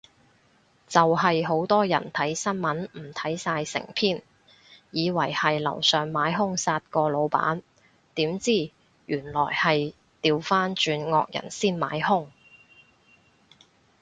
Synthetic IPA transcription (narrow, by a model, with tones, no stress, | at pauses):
t͡sɐ˨wɦɐ˨jɦo˨˥wt̪ɔː˥jɐ˨˩nt̪ʰɐ˨˥jsɐ˥nmɐ˨˥nm̩˨˩t̪ʰɐ˨˥jsaː˧jsɪ̰˨˩ŋpʰiː˥˩n | jiː˨˧wɐ˨˩jhɐ˨jlɐ̰˨˩wsœː˨ŋmaː˨˥jɦʊ˥ŋsaː˧t̚kɔː˧lo˨˧wpa̰ː˨˥n | t̪iː˨˥mt͡siː˥˩ | jyː˨˩nlɔː˨˩jhɐ˨j | t̪iː˨wfaː˥nt͡ʃyː˧nŋɔː˧k̚jɐ̰˨˩nsiː˥nma̰ː˨˥jhʊ˥ŋ